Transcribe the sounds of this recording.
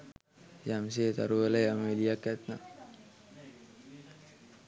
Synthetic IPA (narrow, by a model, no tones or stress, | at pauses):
jams̬et̪a̰ɾulajameliakɛt̪na